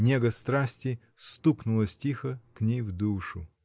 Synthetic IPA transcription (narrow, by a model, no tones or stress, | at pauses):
nʲeɡəst̪ɾasʲtʲɪ | st̪uknʊlˠəsʲtʲixəknʲejvd̪uʂʊ